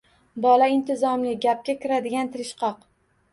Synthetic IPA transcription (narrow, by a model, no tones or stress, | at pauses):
bɒlaɪnt̪ʰɪzɒmlɪɡʲap̚kʲakʲɪɾad̪ɪɡʲant̪ʰɪɾɪʃqɑq